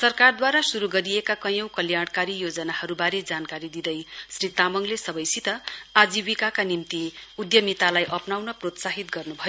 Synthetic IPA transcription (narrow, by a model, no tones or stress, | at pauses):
sʌrkard̪waɾasuɾuɡʌɾiekakʌjʌ̃w̃kʌljaɽ̃kaɾijod͡zʌnahʌɾubaɾed͡zankaɾid̪id̪ʌjsrit̪amʌŋlesʌbʌjsit̪ʌad͡zibikakanimt̪iud̪jʌmit̪alajʔʌpnawnʌprot̪saɦit̪ɡʌrnubʱʌjo